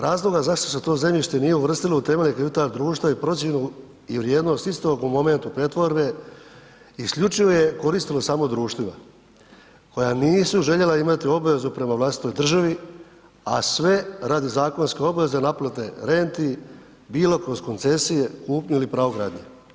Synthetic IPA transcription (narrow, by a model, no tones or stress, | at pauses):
ɾaːzlˠo̞ɡazaʂt̪o̞set̪o̞ːze̞mʎʲiʃt̪e̞nije̞uʋr̩st̪ilout̪e̞melekaʋit̪aːld̪ɾuːʃt̪ʋaipɾo̞t̪sjenu | iʋɾjeːd̪no̞st̪ist̪o̞ɡumo̞me̞nt̪upɾet̪ʋo̞ɾbe̞ | iskʎʲut͡ʃiʋoje̞ko̞ɾist̪ilosaːmo̞d̪ɾuːʃt̪ʋima̰ | ko̞janiːsuʒe̞ʎe̞laimat̪io̞baʋe̞zupɾe̞maʋlˠast̪i̥t̪o̞jd̪r̩ʒaʋi | a̰sʋe̞ɾad̪izaːko̞nske̞o̞baʋe̞zenaplat̪e̞ɾe̞nt̪i | biːlˠo̞kosko̞nt̪se̞sijekuːpɲuilipɾaːoɡɾa̰ːd̪ɲḛ